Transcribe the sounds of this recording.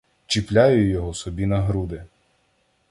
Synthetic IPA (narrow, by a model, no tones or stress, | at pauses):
t͡ʃiplʲajʊjɔɦɔsɔbʲinɐɦɾud̪ɪ